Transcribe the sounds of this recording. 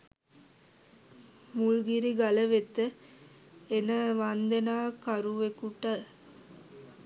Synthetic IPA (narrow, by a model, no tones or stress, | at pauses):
mulɡiɾiɡaləʋet̪ə | enəʋand̪enaːkaɾuʋekuʈal